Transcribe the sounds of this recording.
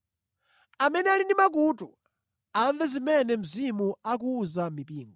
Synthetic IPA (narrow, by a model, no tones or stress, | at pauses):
amɛnɛalinimak̬utu | aɱvɛzimɛnɛm̩zimuak̬uːzamipiːŋɡɔ